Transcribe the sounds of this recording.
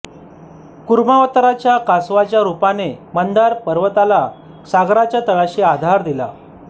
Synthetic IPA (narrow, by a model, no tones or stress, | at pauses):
kuɾmaʋət̪ɾat͡ɕjakasʋat͡ɕjaɾupanemənd̪aɾpəɾʋət̪ala | saɡɾat͡ɕjat̪əɭaɕiad̪ʱaɾd̪ila̰